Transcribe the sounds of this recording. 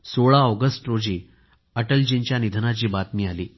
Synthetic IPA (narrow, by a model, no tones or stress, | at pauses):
soɭaɔɡəsʈɾod͡ʑiː | əʈəld͡ʑint͡ɕjanid̪ʱnat͡ɕiːbat̪miːaliː